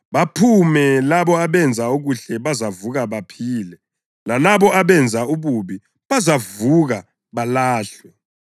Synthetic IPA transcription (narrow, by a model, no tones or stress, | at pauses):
ɓapʰumɛlaɓɔaɓɛnd͡zʱauk̬uɬɛɓazavuk̬aɓapʰiːlɛ | lanaɓɔʔaɓɛnd͡zʱauɓuɓi | ɓazavuk̬a | ɓalaːɬwɛ